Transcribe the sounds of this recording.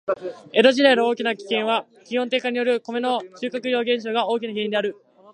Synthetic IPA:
e̞ɾo̞ʑid̪aino̞o̞ːkʲinakʲi̥kẽ̞ɰ̃βa | kʲihont̪̬e̞ːkaɲ̟ijo̞ɾɯ̟ko̞me̞no̞ɕɨːkakɯ̟jo̞ːɡẽ̞ɰ̃ɕ̬oɡao̞ːkʲinaɡe̞ːĩnd̪eaɾɯ̟

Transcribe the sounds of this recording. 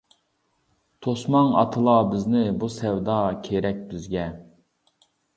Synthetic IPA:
t̪ʰosmɑŋɑ̰t̪ʰɨlˠɑbɪznɪbusɛwd̪ɑkʲʰeɾɛk̚ʲb̪yzɡʲɛ

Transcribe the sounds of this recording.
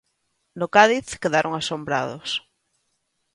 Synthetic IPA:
nokaðiθkeðaɾʔoŋasombɾa̰ðos

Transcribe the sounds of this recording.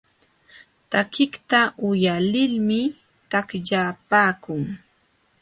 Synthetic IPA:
t̪akɪkt̪aʔʊjalɪlmɪ | t̪akʎaːpaːkʊŋ

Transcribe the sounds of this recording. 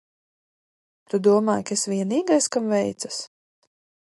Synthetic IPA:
t̪ud̪uɔmaːjkaesvʲiɛniːɡajskamvɛjt̪sḁs

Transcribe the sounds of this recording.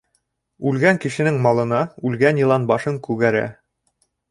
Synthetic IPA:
ʉlɡæŋkɘ̆ʃɘ̆nɘŋmɑlˠɤ̆nɑʉlɡænjɤ̆lˠɑnbɑʃɤŋkʉɡæɾæ̰

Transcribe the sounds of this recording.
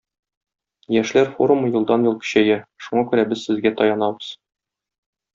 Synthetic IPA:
jæʃlæɾfo̰ɾumujɤ̆lˠd̪ɑnjulˠkɵ̥̆ɕæjæʃuɴɑkʉɾæbɘzsɘ̆zɡæt̪ɒjɑnɑbɤ̥z̥

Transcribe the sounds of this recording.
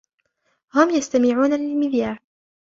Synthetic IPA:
hʊmjast̪amɪʕuːnalɪlmɪðjaːɾ

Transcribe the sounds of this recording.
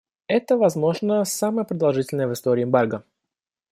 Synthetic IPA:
ɛt̪əvɐzmo̞ʐnəsaməjəpɾəd̪ɐlˠʐɨtʲɪlʲnəjəvɨst̪oɾʲɪːmbarɡə

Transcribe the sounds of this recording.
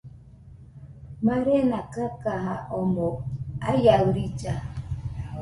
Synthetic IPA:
maɾenakakaɦaʔɔmɔajawɾit͡ʃa

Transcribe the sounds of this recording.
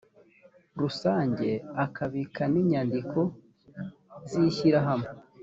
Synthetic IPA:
ɾusaːɲɟe̞akaβikʰaniːɲaːndikʰo̞ | ziːçiɾaɦamo

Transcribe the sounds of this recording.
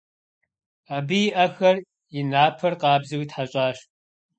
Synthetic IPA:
aːbɨjɪʔɐxɐr | jɪnaːpʰɐrqɑːbzɨwitħaɕʼaːɕ

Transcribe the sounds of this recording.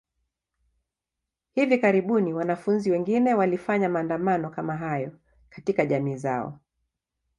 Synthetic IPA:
hivikaɾiɓuniwanafunziwɛŋɡinɛwalifaɲamaːndamanɔkamaɦajɔ | katikaʄamiːzaɔ̰

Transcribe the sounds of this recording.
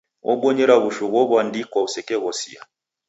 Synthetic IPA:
ʔɔ̰ɓɔɲɛɾaβuʃuɣɔβwandikwausɛkɛɣɔsḭa̰

